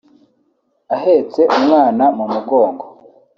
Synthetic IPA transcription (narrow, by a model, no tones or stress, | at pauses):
aɦet͡se̞ʔumŋaːnamumuɡo̞ːŋɡo